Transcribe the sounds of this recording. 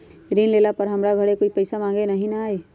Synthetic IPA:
ɾiːnleːlapɐɾɦɐmɾaɡʱɐɽekoːipɐɪsamãːŋɡenɐɦĩnaaːe

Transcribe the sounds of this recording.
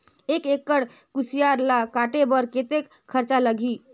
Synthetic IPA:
ekekːəɽkusijaɾlakaʈebəɾket̪ekʰːəɾt͡ʃaləɡʱi

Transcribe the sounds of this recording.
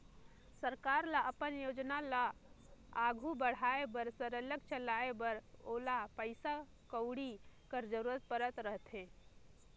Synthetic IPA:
səɾkaɾlaʔəpənjod͡ʒnala | aɡʱubəɽ̤aebəɾsəɾələɡt͡ʃəlaebəɾolapəɪsa | kəʊɽikəɾd͡ʒəɾuɾət̪̚pəɾət̪ɾəɦt̪ɦẽ

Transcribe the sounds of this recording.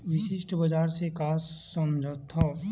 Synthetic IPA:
ʋɪʃɪʃʈʰbəd͡ʒaːɾsekaːsːəmd͡ʒʱət̪ʰːa

